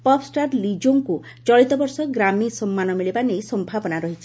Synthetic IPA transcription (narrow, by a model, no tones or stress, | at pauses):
pɔpʰsʈaɾlid͡ʒoŋku | t͡ʃɔɭit̪ɔbɔɾsɔɡɾamisɔmːanɔmiɭibanejsɔmbʱabɔnaɾɔɦit͡ʃʰi̥